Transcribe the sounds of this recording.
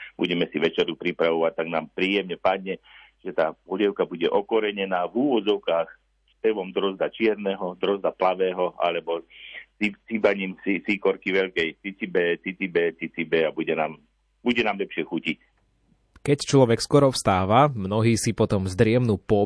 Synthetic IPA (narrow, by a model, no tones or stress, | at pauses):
buɟɛmɛsiʋɛt͡ʃɛɾupɾipɾaʋɔʋac̚t̪ːaɡnaːmpɾiːjɛmɲɛpad̪ɲɛ | ʒ̥ɛt̪aːɔʎɛʊkabuɟɛʔɔkɔɾɛɲɛnaːvuʋɔd͡zɔʊkaːx | spɛʋɔmd̪ɾɔzd̪at͡ʃɪɛɾnɛːɦɔd̪ɾɔzd̪aplaʋɛːɦɔa̰lɛbɔt͡sit͡sibaɲiːmsisikɔɾkiʋɛʎkɛjt͡sit͡sibɛːt͡sit͡sibɛːt͡sit͡sibɛːabuɟɛnaːm | b̥uɟɛnaːmʎɛpʃɪɛxucic | kɛct͡ʃlɔʋɛkskwɔɾɔfst̪aːʋamnɔɦiːsipɔt̪ɔmzd̪ɾɪɛmnuːpɔ